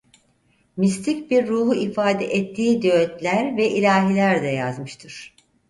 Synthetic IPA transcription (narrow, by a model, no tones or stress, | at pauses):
mist̪ʰicbiɾːuːɦuʔifaːd̪ɛʔɛt̪ʰːiːd̪øøt̪lʲæɾvɛʔilʲaːɦilʲæɾd̪ɛja̰zmɯʃt̪ʰɯɾ̥